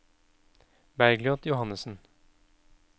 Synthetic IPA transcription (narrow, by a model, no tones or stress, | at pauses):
bæɾɡlɪɔt̪jʊhɑnːəsn̩